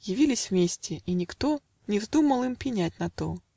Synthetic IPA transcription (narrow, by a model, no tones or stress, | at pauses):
jɪvʲilʲɪsʲvmʲesʲtʲɪinʲɪkt̪o | nʲɪvzd̪uməlˠɨmpʲɪnʲatʲnɐt̪o